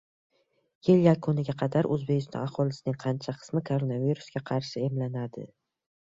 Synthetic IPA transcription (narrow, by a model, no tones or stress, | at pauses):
jɪljakʰʊnɪɡʲaqʰɑd̪aɾʔɵzbekʲɪst̪ɒ̰ahɒlɪsɪnɪŋqʰɑnt͡ʃʰaqʰɨ̥smɪkʰoɾonaviɾusɡʲaqʰɑɾʃɪe̞mlanad̪ɪ̰